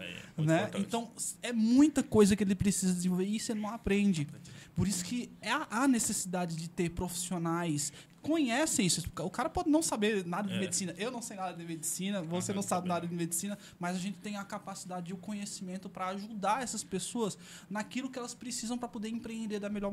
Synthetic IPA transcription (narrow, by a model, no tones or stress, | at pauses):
nɛẽt̪ɐ̃w̃ɛmũj̃t̪ɐkojzɐkɪelɪpɾesizɐdezẽvoveɾsenɐ̃w̃apɾẽnd͡ʒɪpoɾisʊ̥kɪʔɐnesesid̪ad͡ʒɪd͡ʒɪt̪eɾpɾofi̥sionajs | kõɲɛsẽj̃isɪskʊkaɾɐpɔd͡ʒɪnɐ̃w̃sabeɾnad̪ɐd̪ɪmed̪ɪsĩnɐʔewnɐ̃w̃sejnad̪ɐd̪ɪmed͡ʒɪsĩnɐvosenɐ̃w̃sabɪnad̪ɐd̪ɪmed͡ʒɪsĩnɐ | mɐzaʒẽnt͡ʃɪ̥t̪ẽj̃ɐkapasid̪ad͡ʒɪd͡ʒɪʊkõɲesimẽnt̪ʊpɾɐaʒud̪aɾɛsɐspesoɐs | nakilʊkɪɛlɐspɾesizɐ̃w̃pɾɐpod̪eɾẽpɾeẽnd̪eɾd̪ɐmeʎɔɾ